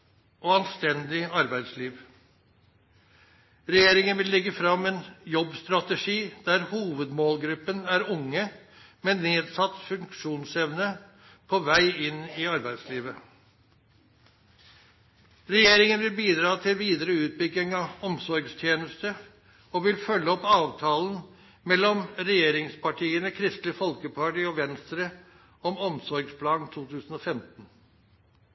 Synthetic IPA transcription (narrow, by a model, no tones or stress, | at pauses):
oːɑnst̪ɛnd̪ɪɑɾbæɪd̪sliːʋ | ɾɛjeːɾɪŋənʋɪlːɛɡəfɾɑmːɛːnjɔbst̪ɾɑt̪əʂiːd̪̥æɾhuːʋəd̪moːlɡɾʉpːənæɾʊŋːə | mɛneːd̪sɑt̪ːfʉŋkʂuːnsɛʋnə | pʰɔʋæɪɪnɪɑɾbæɪd̪sliːʋə | ɾɛjeːɾɪŋənʋɪlbiːd̪ɾɑːt̪ʰɪlʋiːd̪əɾəʉːt̪̚bʏɡːɪŋɑɔmsɔɾɡst̪ʰjeːnəst̪ə | ɔʋɪlfœlːəɔpːɑːʋt̪ʰɑːlən | mɛlːɔmɾɛjeːɾɪŋspɑʈʰiːənəkʰɾɪst̪lɪfɔlkəpʰɑʈiːɔʋɛnst̪ɾə | ɔmɔmsɔɾɡspʰlɑːɡ̪t̪ʰuːt̪ʰʉːsn̩ɔfɛmt̪n